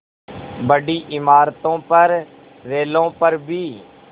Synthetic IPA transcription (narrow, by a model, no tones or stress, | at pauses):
bəɖiːʔɪmaːɾt̪õːpəɾː | eːlõːpəɾbʱiː